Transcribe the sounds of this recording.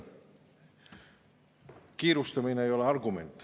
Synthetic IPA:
kiːɾust̪ɑmineejo̞leɑrɡumḛnt̪ːˑ

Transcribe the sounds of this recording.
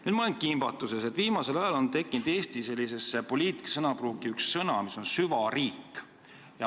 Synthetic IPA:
nyːd̪̥mɑleŋkimb̥ɑt̪ːˑuse̞set̪ːˑviːmɑse̞lɑjɑlo̞nt̪e̞kːˑind̪e̞ːst̪ise̞lʲːise̞sepo̞lʲiːt̪ˑi̥ksɤnɑpruːɡiyksːɤnɑmiso̞nsyvɑɾiːkː | jɑ

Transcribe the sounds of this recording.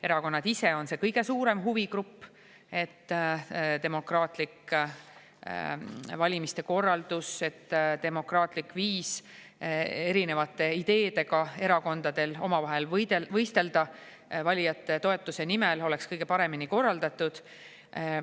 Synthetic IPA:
e̞ɾɑko̞nːɑd̪̥ise̞o̞nse̞ːkɤjɡ̥e̞suːɾe̞mɦuvikɾupː | e̞t̪ːt̪e̞mo̞krɑːt̪ˑlik | vɑlʲimist̪e̞ko̞rːɑld̪̥use̞t̪ːt̪e̞mo̞krɑːt̪ˑlikˑviːs | e̞ɾine̞vɑt̪ːˑe̞id̪̥e̞ːd̪e̞ɡɑe̞ɾɑko̞nd̪̥ɑd̪̥e̞lo̞mɑvɑɦe̞ld̪evɤjst̪e̞ld̪̥ɑ | vɑlʲijɑt̪ːe̞t̪o̞e̞t̪ːˑuse̞nimelo̞le̞kskɤjɡ̥e̞pɑɾe̞miniko̞rːɑld̪̥ɑt̪ːud̪̥

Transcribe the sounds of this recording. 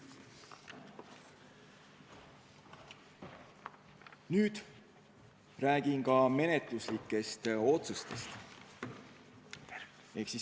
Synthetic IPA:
nyːd̪̥ | ræːɡ̥inkɑme̞net̪luslikːˑe̞st̪o̞t̪sust̪e̞st̪ | e̞ksi

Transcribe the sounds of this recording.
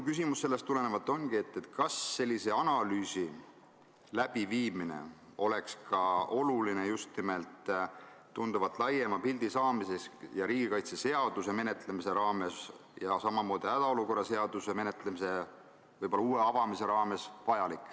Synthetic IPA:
kys̬imusːelːest̪ːule̞nevɑlt̪ːˑo̞nɡ̥ie̞t̪ːˑe̞t̪ˑkɑsːe̞lʲːise̞ɑnɑlyːsi | læb̥iviːmine̞̰o̞le̞kskʰɑo̞luline̞just̪nime̞lt̪ː | und̪̥uvɑt̪ːˑlɑjemɑpild̪̥isɑːmise̞sjɑɾiːɡ̥ikɑjt̪sese̞ɑd̪̥use̞me̞ne̞t̪ˑlemise̞ɾɑːme̞s | jɑsɑmɑmo̞ːd̪̥ihæd̪̥ɑo̞luko̞rːɑse̞ɑd̪̥use̞me̞ne̞t̪ˑlemise̞ | vɤjbolɑuːwe̞ɑvɑmise̞ɾɑːme̞svɑjɑlikːˑ

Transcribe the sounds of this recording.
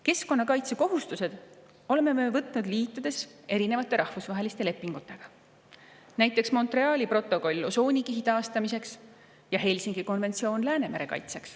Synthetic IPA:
ke̞sko̞nːɑkɑjt̪se̞ko̞ɦust̪use̞d̪̥ | o̞le̞mːe̞mevɤt̪ˑnud̪liːt̪ːˑud̪̥e̞se̞ɾine̞vɑt̪ːˑe̞ɾɑhfusvɑɦe̞list̪e̞le̞pːiŋɡ̥ut̪ːˑe̞ɡ̥ɑ | næjt̪ːˑe̞ksmo̞nt̪re̞ɑːlʲipro̞t̪ːˑoko̞lʲːoso̞ːnʲikiɦit̪ɑːst̪ɑmise̞ks | jɑɦe̞jlʲsiŋɡ̥iko̞nve̞nt̪sio̞ːnlæːne̞me̞ɾe̞̰kɑ̰jt̪se̞ks

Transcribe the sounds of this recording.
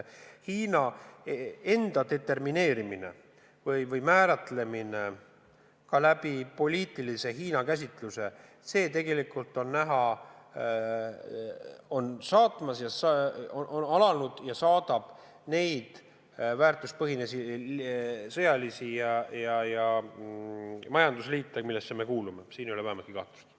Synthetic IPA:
hiːnɑ | e̞nd̪̥ɑd̪e̞t̪e̞rmine̞ːɾimine̞̰ | vɤjvɤjmæːɾɑt̪le̞mine̞ | kɑlæb̥ipo̞lʲiːt̪ˑilise̞hiːnɑkæs̬ʲit̪ˑluse̞ | se̞ːt̪e̞ɡe̞likˑult̪ːˑo̞nːæɦɑ | o̞nsɑːt̪ˑmɑsjɑsoʔonɑlɑnud̪̥jɑsɑːd̪̥ɑb̥ | ne̞jd̪̥ | væːrt̪uspɤɦinesi | sɤjɑlisijɑjɑjɑ | mɑjɑnd̪usliːt̪ːˑemilːesːe̞me̞kuːlume̞siːnjoleæhemɑt̪kiɡɑ̰t̪ːˑu̥st̪

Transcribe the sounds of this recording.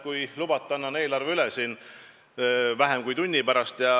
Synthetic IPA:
kujlubɑt̪ːˑɑnːɑnːe̞ːlɑrveylɛsiːn | væɦemkujt̪unʲːipæɾɑst̪jɑ

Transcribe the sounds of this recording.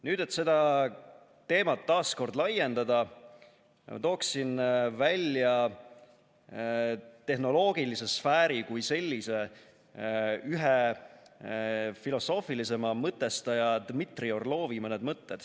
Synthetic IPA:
nyːd̪e̞t̪se̞d̪ɑ | t̪e̞ːmɑt̪ːɑːsko̞rd̪lɑjːe̞nd̪ɑd̪ɑ | mɑ̰t̪o̞ːksinvælʲjɑ | t̪e̞ɦno̞lo̞ːɡ̥ilise̞sfæːɾikujse̞lʲːise̞ | yɦe | filo̞so̞ːfilise̞mɑmɤt̪ːˑe̞st̪ɑjɑd̪mit̪rio̞rlo̞ːvimɤned̪̥mɤt̪ːed̪̥

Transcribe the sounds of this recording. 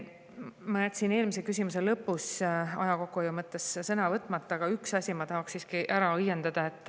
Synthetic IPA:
mɑnæt̪ʲːˑsine̞ːlmisekys̬ʲimus̬e̞lɤpːˑusɑ̰jɑko̞kːujomɤt̪ːˑessɤnɑvɤt̪ːˑmɑt̪ˑːɑɡ̥ɑyksɑsʲimɑt̪ɑɦɑksːiːskiʔæɾɑɤjːend̪̥ɑd̪̥ɑe̞t̪ˑː

